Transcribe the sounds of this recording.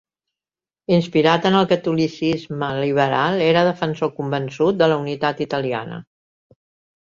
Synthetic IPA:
inspiɾat̪ənəlˠkət̪ulisizməliβ̞əɾalˠeɾəð̞əfənsokumbənsut̪̚d̪ələunit̪at̪it̪əlia̰nə̰

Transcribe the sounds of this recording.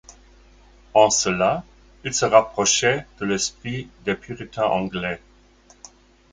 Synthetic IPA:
ɑ̃səla | ilsəʁapχɔʃɛd̪̥əlɛspχid̪ɛpʰyʁit̪ʰɛ̃ʔɑ̃ɡlɛ

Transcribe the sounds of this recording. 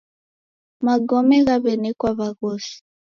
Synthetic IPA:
maɡɔmɛɣaβɛnɛkwaβaɣosi̥

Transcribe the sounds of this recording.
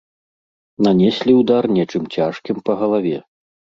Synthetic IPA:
nanʲɛsʲlʲiwd̪arnʲɛt͡ʂɨmt͡sʲaʂkʲimpɐɣɐlˠavʲɛ̰

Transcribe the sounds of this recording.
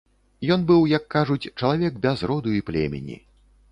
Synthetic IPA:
jɔnbɨwjɐkːaʐut͡sʲt͡ʂɐlˠavʲɛkbʲazrɔd̪uiplʲɛ̰mʲḛnʲḭ

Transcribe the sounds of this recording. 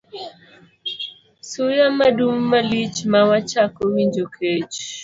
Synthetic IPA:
sujam̩madum̩malit͡ʃmawat͡ʃakowind͡ʒokʰet͡ʃ

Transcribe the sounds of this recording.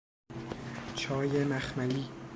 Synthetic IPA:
t͡ʃʰɒːjemæxmæliː

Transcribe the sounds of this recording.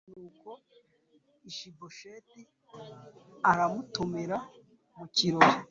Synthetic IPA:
nuːko̞ | iʃiboʃeːti | aɾamutumeɾa | muciɾoɾe

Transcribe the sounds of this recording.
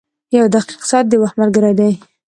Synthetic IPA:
jawd̪aqi̥qsɑt̪̚d̪əwaxmaɾɡəɾajd̪aj

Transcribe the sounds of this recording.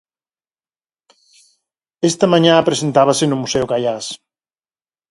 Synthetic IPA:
ɛst̪ɐmaɲãpɾesent̪aβasenʊmusɛukaʎas

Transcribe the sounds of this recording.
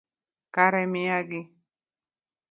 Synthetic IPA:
kaɾɛmiaɡi

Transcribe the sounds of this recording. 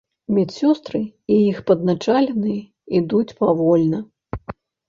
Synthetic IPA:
mʲit͡sʲsʲɔst̪ɾɨijixpɐd̪nat͡ʂalʲɛnɨjɐ | id̪ut͡sʲpavɔlʲnɐ

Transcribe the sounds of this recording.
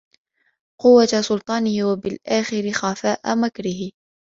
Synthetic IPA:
qʊwːasʊlt̪ˤɑːnɪhɪwabɪlʔaːxɪɾɪxafaːʔamakɾɪɦɪ

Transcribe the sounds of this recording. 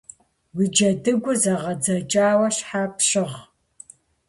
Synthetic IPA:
wid͡ʒɐdɨɡʷʊzɐʁɐd͡zɐt͡ʃʼaːwɐɕħaːpɕɪʁ

